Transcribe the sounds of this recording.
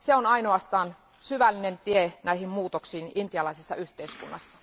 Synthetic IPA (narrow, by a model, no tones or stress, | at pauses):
seonɑinoɑst̪ɑːn | syʋælːinent̪ienæihimmuːt̪oksiːnint̪iɑlɑisesːɑ̰yht̪eiskṵnːɑsːɑ̥